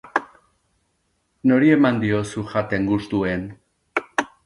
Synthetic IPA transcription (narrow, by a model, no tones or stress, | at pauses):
no̞ɾie̞mand̪io̞suʝat̪e̞ŋɡust̪ue̞n